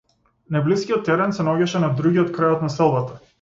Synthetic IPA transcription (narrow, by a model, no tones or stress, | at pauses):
najbliskʲiɔt̪ːɛɾɛnsɛnaɔɟʲaʃɛnad̪ɾuɡiɔt̪̚kɾajɔt̪nasɛlˠbat̪a